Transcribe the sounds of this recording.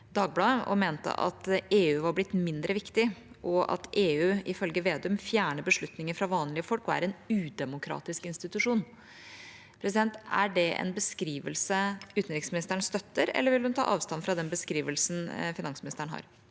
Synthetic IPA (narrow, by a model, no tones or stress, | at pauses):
d̪ɑːɡ̚blɑːɔ̰meːnt̪ə̰ʔɑ̰t̪eːʉːʋɑɾblɪt̪ːmɪnd̪ɾəʋɪkt̪ɪ | ʔɔʔɑ̰t̪eːʉːʔɪfœlɡəʋeːd̪ʉmfjæːɳəbəʂɭʉt̪nɪŋəfɾɑʋɑːnlɪəfɔlkɔæ̰ɾɛnʉːd̪ɛmʊkʰɾɑ̰ːt̪ɪskɪnst̪ɪt̪ʉʂuːn | pʰɾɛs̬ɪd̪ɛnt̪æ̰ɖɛɛ̰nbəskɾiːʋəlsəʉːt̪n̩ɾɪksmɪnɪst̪əɳst̪œt̪ːəɾɛ̰lːəɾʋɪlhʉnt̪ʰɑ̰ːʔɑːʋst̪ɑnfɾɑd̪ɛnbəskɾiːʋəlsn̩fɪnɑnsmɪnɪst̪əɳ̩ɦɑ̰ːɾ